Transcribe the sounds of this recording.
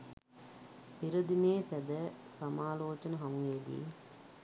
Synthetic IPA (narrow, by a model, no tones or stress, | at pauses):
ɪɾɐd̪ineːsɐd̪ɐ | sɐmaːloːt͡ʃɐnɐɦɐmueːd̪ḭ